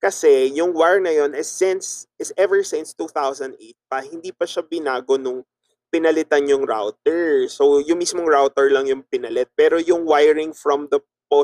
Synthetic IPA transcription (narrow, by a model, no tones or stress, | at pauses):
kɐsɛjʊŋwaɹnɐjonɪsɪnsʔɪsɛvɛɹsɪ̃nst̪uːθawsɐ̃nd̪ʔejt̪̚pɐhɪnd̪iːpɐʃabɪnaːɡonʊŋ | pɪnɐlɪt̪anjʊŋɹa̰wt̪ɛɹsojʊŋmismoŋɹawt̪ɛɹlɐŋjʊŋpɪnɐlɛt̪̚pɛːɾojʊŋwajɹɪŋfɹɔmd̪ɐ | po